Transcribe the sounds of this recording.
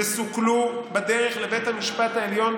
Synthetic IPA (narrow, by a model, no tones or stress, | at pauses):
esuklubed̪eʁeχlebejt̪hamiʃpat̪aeljo̞n